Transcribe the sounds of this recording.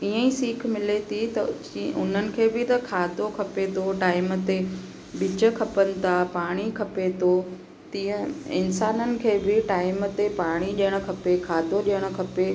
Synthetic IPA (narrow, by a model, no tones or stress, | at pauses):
iːə̃ĩsiːkʰmɪlet̪ʰit̪ɐ | ʔʊn̤ənɪ̆kʰeːbɪt̪ɐkʰaːd̪ʱokʰɐpet̪ʰoʈaːɪmət̪e | ɓɪt͡ɕə̆kʰɐpənɪ̆t̪ʰapaːɽ̃ikʰɐpet̪ʰo | t̪ĩːə̃ɪ̰nsaːnənɪ̆kʰeːbɪʈaːɪmət̪epaːɽ̃iɗiəɽ̃ʊ̆kʰɐpekʰaːd̪ʱoɗiəɽ̃ʊ̆kʰɐpe